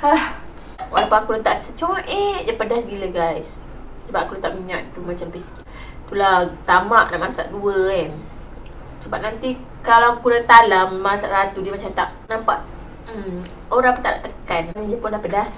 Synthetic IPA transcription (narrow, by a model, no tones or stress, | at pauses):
ah | wa̰lawpuŋakulat̪aʔsət͡ʃoʔeʔd͡ʒapədasɡiləɡajs | səbap̚ʔakulat̪aʔmiɲaʔit̪umat͡ʃampiski | t̪ulat̪amaʔnaʔmasa̰ʔduəɛn | səbap̚nant̪i | kalawakulat̪alammasaʔsat̪udiəmat͡ʃamt̪aʔnampaʔ | oɾãŋpunt̪aʔdaʔt̪əkannad͡ʒəpʊnlahpədas